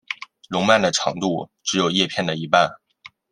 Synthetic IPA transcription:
lʊ˧˥ŋma˥˩nd̪ə˩ʈ͡ʂʰɑ̰˧˥ŋt̪u˥˩ʈ͡ʂɻ̩˧˥jo˨˩ʊjɛ˥˧pʰjɛ˥˩nd̪ə˩i˧˥pa˥˩n

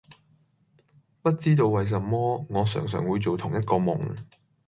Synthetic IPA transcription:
pɐ˥t̚t͡siː˥t̪o˧wːɐ˨js̬ɐ˨mːɔː˥ŋɔː˨˧sœ̰ː˨˩ŋs̬œː˨˩ŋwuː˨˧jt͡so˨wt̪ʰʊ˨˩ŋjɐ˥t̚kɔː˧mʊ̰˨˩ŋ

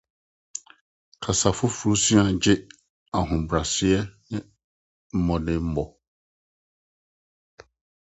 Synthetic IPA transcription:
kʰa˨sa˨fʊ˦fu˨ɾu˦sĩ˦a˨d͡ʑɪ˦ | a˨ɦʊ̃˨bɾa˨sɪ˦ɛ˦nɪ̃˦ | m̩˦mɔ̃˨dɪ̃˦m̩˦bɔ˨

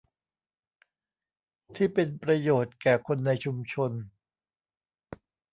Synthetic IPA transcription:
t̪ʰiː˥˩pe˧npɾa˧joː˨˩t̪̚kɛː˨˩kʰo˧nːa˧jt͡ɕʰu˧mt͡ɕʰo˧n

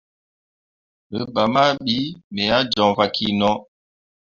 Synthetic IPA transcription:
ə˨ba˨ma˦ɓi˨˦mɛ˨a˦d͡ʒɔ˨ŋva˨kʰi˦nɔ˦

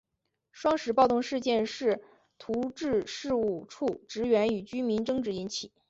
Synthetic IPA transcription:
ʂwɑ˥ŋʂɻ̩˨˩pɑ˥˧ʊt̪ʊ˥˧ŋʂɻ̩˥˧t͡ɕjɛ˥˧nʂɻ̩˥˩ | t̪ʰu˧˥ʈ͡ʂɻ̩˥˧ʂɻ̩˥˧u˥˩ʈ͡ʂʰu˥˩ʈ͡ʂɻ̩˧˥ɥɛ˧˥ny˨˩t͡ɕy˥mi˧˥nʈ͡ʂɤ˥˧ŋʈ͡ʂɻ̩˧˥i˧˥nt͡ɕʰi˨˩˦

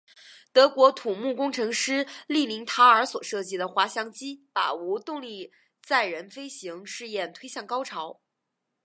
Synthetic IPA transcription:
t̪ɤ˧˥kwɔ˧˥t̪ʰu˨˩mu˥˩kʊ˥ŋʈ͡ʂʰɤ˧˥ŋʂɻ̩˥li˥˩mi˧˥ŋt̪ʰa˥ə˞˧˥swɔ˨˩ʂɤ˥˩t͡ɕi˥˩d̪ə˨xwa˧˥ɕjɑ˧˥ŋt͡ɕi˥pa̰˨˩u˧˥t̪ʊ˥˧ŋli˥˧ | t͡sa˥˩ɪɻə˧˥nfe˥ɪɕi˧˥ŋʂɻ̩˥˧jɛ˥˩nt̪ʰwe˥ɪɕjɑ˥˩ŋkɑ˥ʊʈ͡ʂʰɑ˧˥ʊ

